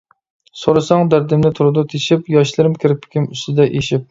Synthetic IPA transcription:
soɾɑsɑŋd̪æɾd̪ɪmnɪt̪ʰuɾɨd̪ʊt̪ʰeʃɪpjɑʃlˠɨɾɪmkʲʰɪɾɪpʰːɪ̥kʲʰɪmyst̪ɪd̪ɛʔeʃɪp̚

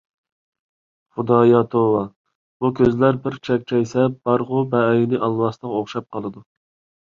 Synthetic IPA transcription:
χʊd̪ɑjɑt̪ʰowɑ | bukʲʰøzlæɾbɪɾt͡ʃʰɛk̚ʲt͡ʃʰɛjsɛb̥ɑɾʁʊbɛjinɪʔɑlˠːwɑst̪əʁoχʃɑp̚qʰɑlˠɨd̪u

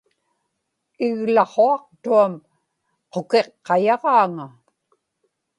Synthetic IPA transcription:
ɪɣlɑχoɑq̚t̪uam | qoke̞qːɑjɑʁɑːŋa

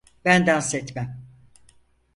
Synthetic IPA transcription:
b̥ænd̪ænsɛt̪mæm

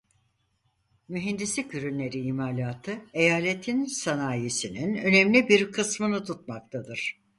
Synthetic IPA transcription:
myɦind̪islʲicʰyɾynlːʲe̞ɾiimaːlʲaːt̪ʰɯe̞jaːlʲet̪ʰinsanaːjesininø̞nemlʲibiɾkʰɯsmɯnɯt̪ʰut̪̚mak̚t̪ʰad̪ɯɾ̥

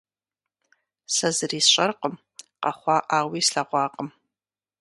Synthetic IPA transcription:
sɐzɨriːsɕʼɐrqəm | qɐ̰χʷɑʔaːwiːsɬaʁʷɑːqʼəm

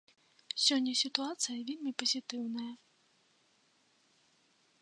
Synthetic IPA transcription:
sʲɔnʲːɐsʲɪt̪ʊat̪sɨjɐʋʲilʲmʲipɔzʲɪt̪ɪwnɐjɐ

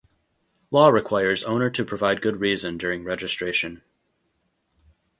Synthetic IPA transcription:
lɔɹɨkʰw̥aɪə˞zõʊ̃nə˞ɾʰɨpʰɹ̥ɨvaɪd̚ɡʊd̚ɹizɨ̃ndʊɹɪ̃ŋɹɛd͡ʒɨstɹ̥eɪʃɨ̃n

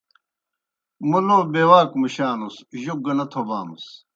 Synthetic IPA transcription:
munoːbeːwaːkmuɕaːnusʑuɡɐnɐt̪ʰobaːmus

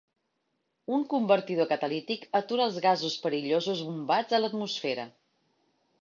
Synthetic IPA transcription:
uŋkumbəɾt̪iðokət̪əlit̪ikət̪uɾəːlˠzɣazuspəɾiʎozuzβumbad͡zələt̪musfɛɾə

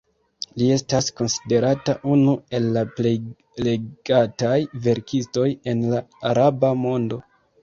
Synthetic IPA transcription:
lie̞stasko̞nsi̥de̞ɾataʔunue̞lːaple̞j | le̞ɡ̥atajve̞ɾkʰisto̞je̞nlaːɾabamo̞ndo̞

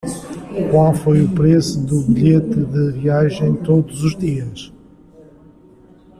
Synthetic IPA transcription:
kwalˠfojupɾesuðuβiʎet̪ɨðɨviaʒɐ̃j̃t̪oðuzuʒðiɐʃ

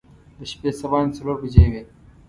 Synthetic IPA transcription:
d̪əɕpeːsɐbɑːnt͡sɐloːɾbid͡ʑeweː

